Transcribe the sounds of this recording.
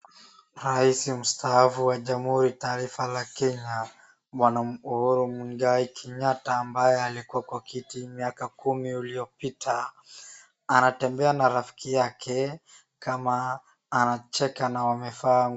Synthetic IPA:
ɾaisim̩staafuwaʄam̩huɾitaːɾifalakɛɲa | ɓwanauhuɾumuŋɡaikʰɛɲataːmbajɛalikuwakwakitimiakakumiulijɔpitʰa | anatɛmbɛanaɾafi̥kijakʰɛ | kamaː | nat͡ʃɛkanawamɛfaŋ

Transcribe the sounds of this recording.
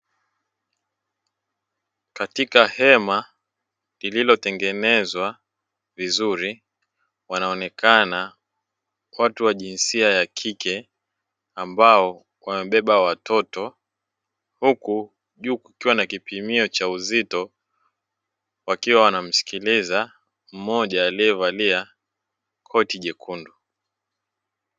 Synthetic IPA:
katikahɛma | lililɔtɛŋɡɛnɛzwa | vizuɾi | wanaɔnɛkʰana | watuwaʄinsiajakʰikʰɛ | ambaɔ | wamɛɓɛɓawatʰɔtɔ | huku | ʄuːkukiwanakipimiɔt͡ʃauzitɔ | wakiwawanam̩si̥kiliza | m̩mɔʄaːliɛvalia | kʰɔtiʄɛkʰundu

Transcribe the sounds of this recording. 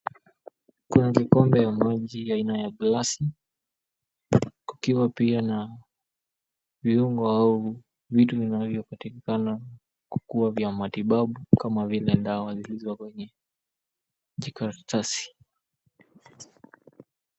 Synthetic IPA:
kunakikɔmbɛjamaʄiainajaɡlasi | ku̥kiwapiana | viuŋɡɔau | vituvinavjɔpatikikana | ku̥kuavjamatiɓaɓukamavilɛndawazilizwakwɛɲɛ | ʄikaɾtʰasi̥

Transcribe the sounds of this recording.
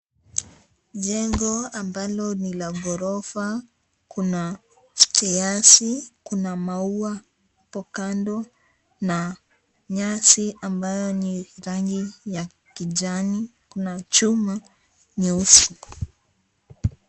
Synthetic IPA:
ʄɛŋɡɔambalɔnilaɡɔɾɔfa | kʰuna | stɛjasikunamaua | pɔkandɔ | na | ɲasiambajɔniɾaŋɡija | kiʄanikunat͡ʃuma | ɲiusi

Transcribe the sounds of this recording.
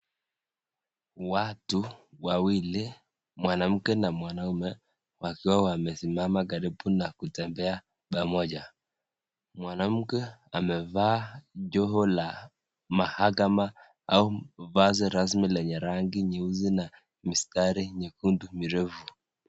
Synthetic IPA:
watuwawili | mwanam̩kɛnamwanaumɛ | wakiwawamɛsimamak̬aɾibunakutɛmbɛa | ɓamɔʄa | mwanam̩kɛamɛvaːʄɔɦɔla | mahakama | auvazɛɾas̬milɛɲɛɾaŋɡiɲɛuzina | mistaɾiɲɛkundumiɾɛfu

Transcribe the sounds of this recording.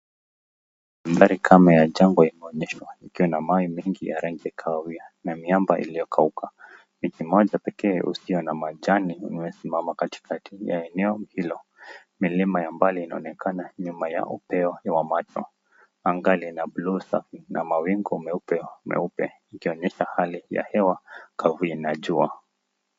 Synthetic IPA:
hambaɾikʰamajaʄaŋɡwaimɛɔɲɛʃwaikiwanamawimiŋɡija̰ɾaŋɡiakʰawawianamiambaʔḭlijɔkʰaukʰa | mikimɔʄapɛkɛːʔṵsiɔnamaʄaniṵniwɛsimamakati̥kʰatʰija̰ɛnɛɔhilɔ | milimajambaliːnaɔnɛkʰanaɲumaja̰ʔṵpɛɔwamatʰɔ | aŋɡalinablusafinamawiŋɡɔmɛupɛumɛ̰upɛ | ikiɔɲɛʃahalija̰hɛwakʰavuinaʄua̰

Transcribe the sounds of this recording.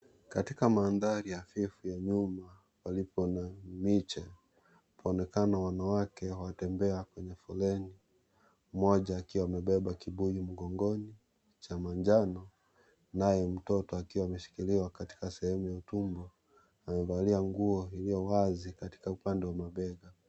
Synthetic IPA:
katikamaːnðaɾijafifujaɲuma | palipɔnamit͡ʃɛ | pʰaɔnɛkanawanawakɛwawatɛmbɛakwɛɲɛfɔlɛni | mɔʄaːkiwaːmɛɓɛɓakiɓujim̩ɡɔŋɡɔni | t͡ʃamaɲd͡ʒanɔ | najɛm̩tɔtɔakiwaːmɛʃi̥kiliwakati̥kasɛhɛmujautumbɔ | amɛvaliaŋɡuɔilijɔwazikati̥kaupandɛwamaɓɛɡa

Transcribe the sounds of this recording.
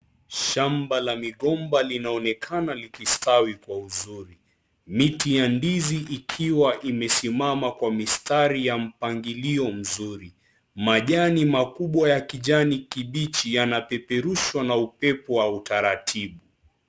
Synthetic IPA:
ʃambalamiɠɔmbalinaɔnɛkʰanalikistawikwauzuɾi | mitijandiziʔikʰiwaʔimɛsimamakwamistaɾijam̩paŋɡiliɔm̩zuɾi | maʄanimakuɓwajakiʄanikiɓit͡ʃijanapɛpɛɾuʃwanaupɛpɔwautaɾatʰiɓu

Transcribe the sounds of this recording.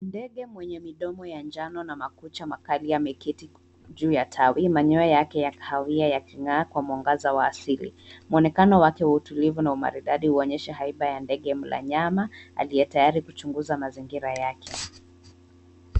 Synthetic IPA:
ndɛɠɛmwɛɲɛmiɗɔmɔjand͡ʒanɔnamakut͡ʃamakalijamikiti | ʄuːjatʰawimaɲɔɛjakɛjakḁhawiajakiŋakwamuaŋɡazawaːsilḭmuɔnɛkanɔwakɛwautulivunauma̰ɾiɗaɗihuɔɲɛʃɛɦaiɓajandɛɠɛm̩la̰ɲamaa̰lijɛtajaɾikut͡ʃuŋɡuzamaziŋɡiɾajakʰɛ

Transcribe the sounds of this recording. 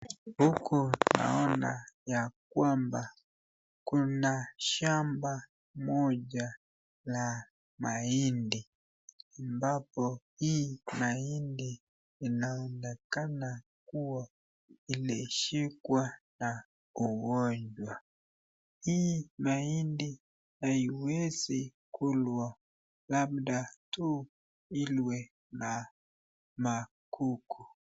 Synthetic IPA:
hukuna̰ɔna̰jak̚wamba | kunaʃamba | mɔɟa | la | maindi | ambapɔhimaindiː | naɛnɛkana | kuwa | ilɛʃikwana | uwɔɲd͡ʒwa | himaindi | aiwezi | kʰulwa | labdatu | ilwɛ | na | ma | kʰukʰu

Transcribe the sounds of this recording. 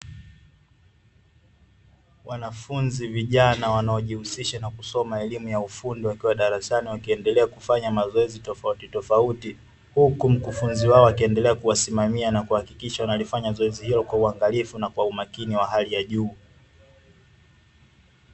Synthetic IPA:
wanafunziviʄanawanaɔʄihusiʃanakusɔmaɛlimujaufundiwakiwaɗaɾasaniwakiɛndɛlɛakufaɲamazɔɛzitɔfautitɔfauti | hukum̩kufunziwaɔwakiɛndɛlɛakuwasimamianakuhakikiʃawanalifaɲazɔɛzihilɔkwauaŋɡalifunakwaumakiniwaɦalijaʄuː

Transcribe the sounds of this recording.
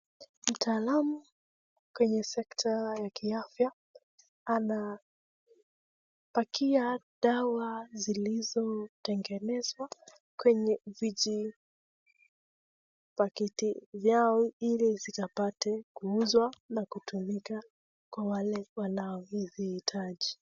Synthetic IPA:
m̩tʰaːlamu | kwɛɲɛsɛktʰajakʰiafjaː | na | pakiaɗawazilizɔtɛŋɡɛnɛzwa | kwɛɲɛviʄi | pakitivjaɔilizikapatɛkuuzwanakutumika | kwawalɛwanaɔhizihitʰaʄi

